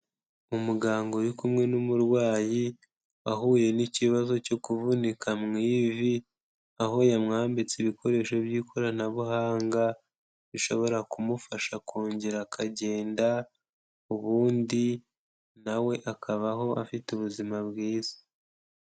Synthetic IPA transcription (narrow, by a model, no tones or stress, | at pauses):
mumuɡaːŋɡo̞jukumŋe̞numuɾwaːji | aɦuːje̞niciβazo̞co̞kuvunikʰamŋiːvi | aɦo̞jamŋaːmbit͡siβiko̞ɾe̞ʃo̞βjiːkʰo̞ɾanaβuɦaːŋɡa | βiʃo̞βo̞ɾakumufaʃakuːɲɟeɾakʰaɟe̞ːnda | uβuːndi | nawe̞ʔakʰaβaɦo̞ʔafituβuzimaβɡiːz̥i̥